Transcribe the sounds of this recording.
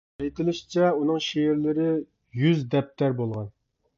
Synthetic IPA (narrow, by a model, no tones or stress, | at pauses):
ejt̪ʰɪlˠɪʃt͡ʃʰɛunɨŋʃeɪɾlɪɾɪ | jyzd̪ɛp̚t̪ʰæɾbolˠʁɑn